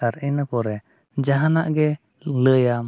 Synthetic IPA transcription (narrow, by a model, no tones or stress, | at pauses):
aɾinəkɔɾɛ | d͡ʒaɦanaʔɡɛ | ləja